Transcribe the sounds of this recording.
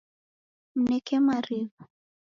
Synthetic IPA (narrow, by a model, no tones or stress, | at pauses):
m̩nɛkɛmaɾivu